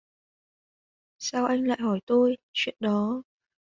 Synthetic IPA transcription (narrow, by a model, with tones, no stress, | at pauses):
saː˧wʔa˧jŋ̟la̰ː˧˨jɦɔ˧˩jt̪o˧jt͡ɕwḭ˧˨ənɗɔ˨˦